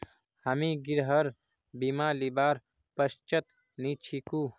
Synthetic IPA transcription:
həmiɡiɾɦəɾ | bimalibaːɾ | pəst͡ʃət̪ | nit͡ʃʰikuː

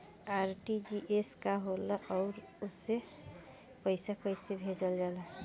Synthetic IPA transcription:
aɾʈid͡ʒiʔeskaɦolaʔɔʊɾ | ose | pəjsakəjsebʱed͡ʒəld͡ʒala

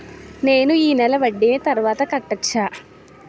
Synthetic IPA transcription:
ne̞ːnuiːnɛlɐʋɐɖːiet̪ɐɾʋaːt̪ɐkɐʈːɐt͡ʃːaː

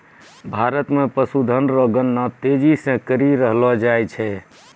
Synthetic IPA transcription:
bʱaɾət̪mepəsud̪ʱənɾəɡənːɔt̪ed͡ʒisẽkəɾiɾəɦlɔd͡ʒajt͡ʃʰɛ

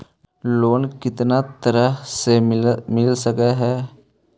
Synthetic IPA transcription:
loːnkɪt̪nat̪əɾəɦsemɪlsəkeɦɛː

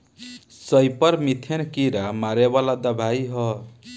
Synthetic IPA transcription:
sʌjpʌɾmit̪ʰenkiɾamaɾeβalad̪əbʱajɦʌ

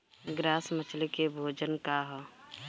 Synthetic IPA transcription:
ɡɾaːsmət͡ʃʰlikebʱoːd͡ʒənkaɦɔ

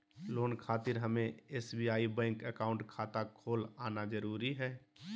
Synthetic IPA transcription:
loːnkʰaːt̪ɪɾɦəmẽeːsbiaːibɛ̃ːŋkəkaːʊ̃ɳʈkʰaːt̪akʰoːlaːnad͡ʒəɾuːɾiɦɛː

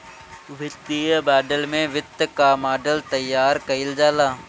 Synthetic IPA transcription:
ʋɪt̪ːiːəbaːɖəlmẽʋɪt̪ːkaːmaːɖəlt̪əjːaːɾkəɪld͡ʒaːlaː

